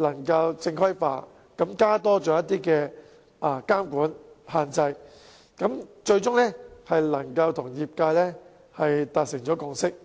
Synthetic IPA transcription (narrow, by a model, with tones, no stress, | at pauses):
lɐ˨˩ŋkɐ˧wt͡sɪ˧ŋkʰɐ˥jfa̰ː˧t | kɐ˨˥mkaː˥t̪ɔː˥t͡ʃɔː˨˧jɐ˥t̪iː˥kɛː˧ | ʔaː˧˩kaː˥mkuː˨˥nhaː˨nt͡sɐ˧j | kɐ˨˥mt͡ʃɵ˧ɥt͡ʃʊ˥ŋlɛ˥hɐ˨jlɐ˨˩ŋkɐ˧wt̪ʰʊ˨˩ŋjiː˨p̚kaː˧jlɛː˥ | hɐ˨jt̪aː˨t̚sɪ˨˩ŋt͡ʃɔː˨˥kʊ˧ŋsɪ˥k̚